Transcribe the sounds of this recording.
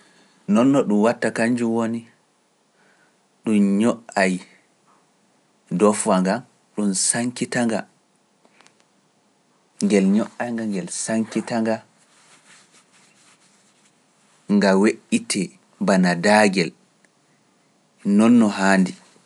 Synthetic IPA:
nɔnːɔɗumwatːakaɲd͡ʒumwoni | ɗumɲɔʔaj | dɔfaŋɡan | ɗumsaŋkitaŋɡa̰ | ŋɡɛlɲɔʔajŋɡaŋɡɛlsaŋkitaŋɡa | ŋɡaweʔitɛ | banadaɡɛl | nɔnːɔɦaːndi

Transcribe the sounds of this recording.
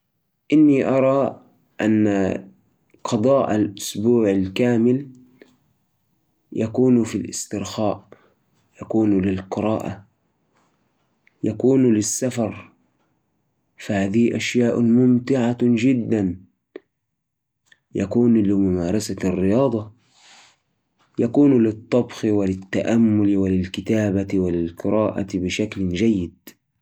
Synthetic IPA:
ʔɪnːiʔɑɾˤɑ | ʔa̰nːa | qʰɑd̪ˤɑːʔa̰lʔʊsbuːʕalkaːmɪl | jʔakuːnfilʔɪ̰st̪ɪɾxaːʔ | jakuːnlɪlqɨɾɑːʔa | jakuːnlɪsːafɑɾˤ | fahaːd̪ihʔaʃjaːʔmʊmt̪ɪʕad͡ʒɪd̪ːan | jakuːnlɪmʊmaːɾˤɑsarːɪjɑːd̪ˤɑ | jakuːnlɪt̪ˤːɑbxɪwɪlɪt̪ːaʔamːʊlwɪlɪlkɪt̪aːbawɪlɪlqɨɾˤɑːʔa̰bɪʃakld͡ʒajːɪd̪̚

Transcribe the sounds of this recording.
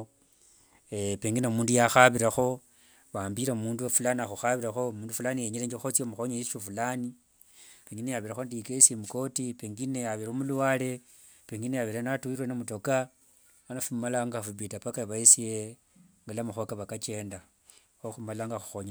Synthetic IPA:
peŋɡinomuːndujaxaβiɾaxo̞ | βaːmbiɾaumuːndufulaniaxuxaβiɾaxo̞muːndufulanijeɲeleɲd͡ʒexot͡sjomuxoɲeiʃufulani | peŋɡinejaβiɾaxondikesemuko̞tipeːŋɡinejaβiɾomuluaːle̞ | peŋɡinejaβiɾanatuiɾwenomuto̞ka | anafumalaŋɡafubitapakaβaisije | ŋɡalamuxokaβakat͡ʃe̞ːnda | xoxumalaŋɡaxu̥xoɲe

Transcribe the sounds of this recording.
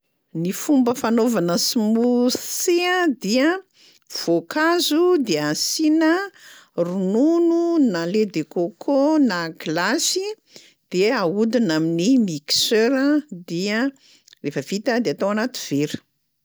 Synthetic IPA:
nifumbəfanovanəsimuseəd̪iə | v̥okazud̪easinə | runununaled̪ekokʰonaɡlasi | d̪̥eaud̪inaminimiksøɾəd̪iə | refəv̥it̪əd̪eat̪owanat̪iv̥eɾu̥

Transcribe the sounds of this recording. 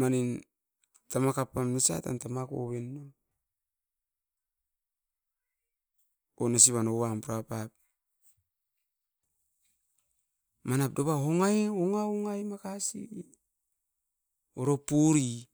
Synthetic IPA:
manin | tamakapːamnisa̰ta̰ntamako̰βenːo | onasiβanowampuɾapap̚ | manap̚doβaɦoŋajoŋaoŋajmakasi | oɾopuɾi

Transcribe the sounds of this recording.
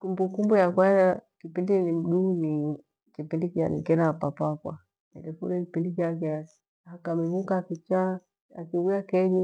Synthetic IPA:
kumbukumbujakwazakipindinim̩ɗuni | kipindikia̰nḭkɛnapapapwa̰ | nɛ̰lɛfṵlɛkipindikiakɛa | akamiβukakit͡ʃa | akiwiakɛɲu

